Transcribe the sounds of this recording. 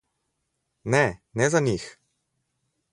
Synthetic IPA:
nɛnɛzanix

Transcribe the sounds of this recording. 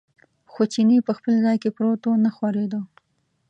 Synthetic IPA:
xot͡ʃinipəxpəlzɑjkepɾot̪onaxwaɾed̪ə

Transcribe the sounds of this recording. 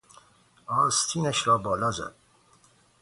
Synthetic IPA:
ʔɒːɾst̪ʰiːnæʃɾɒːbɒːlɒːzæ̰d̪̥̚

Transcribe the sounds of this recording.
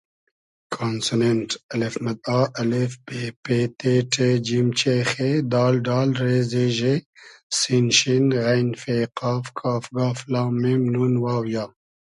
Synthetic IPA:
kʰaːnsuneɳʈɐlefmɐd̪̚aːʔɐlefbepeːt̪ʰeʈʰed͡ʒimt͡ʃeːxed̪aːlɖaːlɾeːzeːʒesinʃinɣajnfeːqaːfkʰaːfɡaːflaːmemnunwaːwjaː

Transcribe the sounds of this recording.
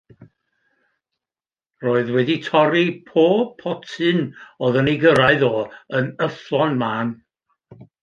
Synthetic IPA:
roːɨðwɛditʰɔɾipʰoːpʰɔtʰɨnoðəniɡəɾaɨðoːənəflˠɔnmaːn

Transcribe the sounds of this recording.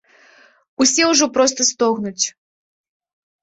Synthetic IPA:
usʲɛwʐɔpɾɔst̪ɐst̪ɔɣnut͡sʲ

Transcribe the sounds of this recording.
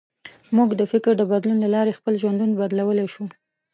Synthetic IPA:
muɡd̪əfɪkɾd̪əbad̪lunlalɑɾexpəlʒwand̪unbad̪lawəleʃu

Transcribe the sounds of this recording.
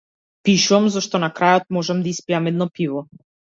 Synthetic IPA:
piʃuamzaʃt̪ɔnakɾajɔt̪̚mɔʒɛmd̪aispiamɛd̪nɔpivɔ

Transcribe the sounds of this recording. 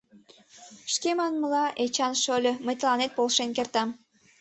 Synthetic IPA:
ʃkemɑnməlɑʔet͡ɕɑnʃolʲɤ̆məjt̪əlɑnet̪̚polʃenkert̪ɑm

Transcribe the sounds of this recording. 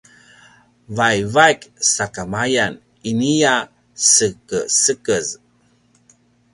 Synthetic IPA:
vajvajksakamajan | inija | səkəsəkəz

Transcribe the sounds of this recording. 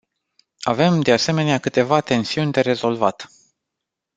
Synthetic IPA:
ave̞md̪e̞ase̞me̞neakɨt̪e̞vat̪e̞nsiunʲd̪e̞ɾe̞zo̞lvat̪

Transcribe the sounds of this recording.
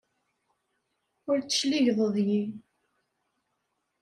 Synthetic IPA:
ʊɾt͡sːə̥ʃliʝðˤəðˤji

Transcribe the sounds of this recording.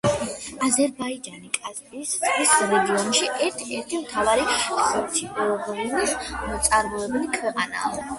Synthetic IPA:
azɛɾbaid͡ʒanikʼazbist̪sʼisɾɛɡiɔnʃiʔɛɾt̪ʰɛɾt̪ʰimt̪ʰavaɾiχɛɾt͡ʃ̪ʰiɔʁɔnilit̪sʼaɾmɔɛbɛnikʰvɛqʼa̰na̰ɔ

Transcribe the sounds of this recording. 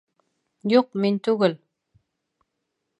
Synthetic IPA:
joq̚mɪnt̪ʊɣəl

